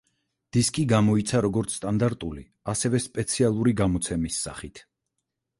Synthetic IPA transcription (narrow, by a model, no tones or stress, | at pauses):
d̪̥iskʼiɡamɔit̪sʰaɾɔɡɔɾt̪sʰt̪ʼand̪aɾt̪ʼuli | asɛvɛspʼɛt̪sʰialˠuɾiɡamɔt̪sʰɛmisːa̰χit̪ʰ